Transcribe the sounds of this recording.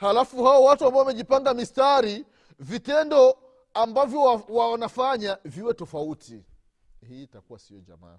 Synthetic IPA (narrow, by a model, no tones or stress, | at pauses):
halafuhawɔwatuambaɔwamɛʄipaŋɡamistaɾi | vitɛndɔ | ambavjɔwwanafaɲaviwɛtɔfauti | hiːtakuwasiɔʄa̰ma̰ː